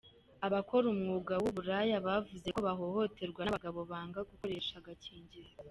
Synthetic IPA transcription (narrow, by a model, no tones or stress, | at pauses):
aβako̞ɾumŋuɡawuβuɾajaβavuze̞koβaɦo̞ho̞te̞ɾɡwanaβaɡaβo̞βaːŋɡaɡuko̞ɾe̞ʃaɡaciːɲɟiɾe